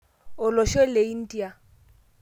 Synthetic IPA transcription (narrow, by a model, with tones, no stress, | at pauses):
ʊ˨lɔ˨ʃe˦le˨i˦n̩˦tʼi˦a˦